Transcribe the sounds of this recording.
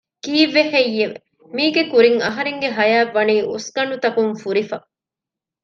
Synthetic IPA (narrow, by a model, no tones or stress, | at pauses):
kiːʋːehejːeʋḛ | miːɡekuɾiŋɐɦɐɾeŋɡeɦɐjaːʋːɐniːʔusɡɐɳut̪ɐkuŋfuɾifɐ